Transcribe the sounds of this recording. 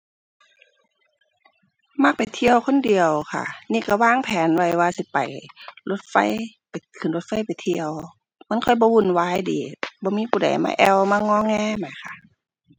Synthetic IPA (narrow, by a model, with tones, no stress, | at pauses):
ma˧˥k̚pa˨˩jt̪ʰi˧˨əwkʰo˧˥˨ndi˨əwkʰa̰˧˩˨niː˧˥˨ka˧˩waː˧˥˨ŋpʰɛː˨˦nwa˧˩jwaː˧si˧˦pa̰˨˩jlo˧˥t̪̚fa˧˥˨j | pa˨˩jkʰɯ˨nlo˧t̪̚fa˧˩˨jpa˨jt̪ʰi˧əw | ma˧˥˨nkʰɔ˧˩˨jbɔː˧˦wu˧˩˨nwaː˧˨jdiː˨˦bɔː˧˦miː˧˥˨pʰuː˧˨da̰˨˩jma̰ː˧˨ʔɛ˧˩wmaː˧˥˨ŋɔː˧˥˨ŋɛː˧˥˨ma˨˩jkʰa˧˩ʔ